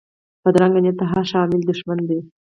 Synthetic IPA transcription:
pəd̪ɾaŋɡanjat̪ːaɦaʃɑmɪld̪ʊʃmand̪e

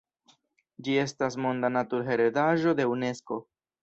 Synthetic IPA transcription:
d͡ʒie̞stasmo̞ndanatuɾɦe̞ɾedaʒo̞d̪e̞une̞sko̞

